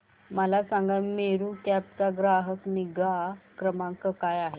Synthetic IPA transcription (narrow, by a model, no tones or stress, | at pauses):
məlasãŋɡajmeɾukjat͡saɡɾaɦəkniɡakɾəmaŋkəkajaɦe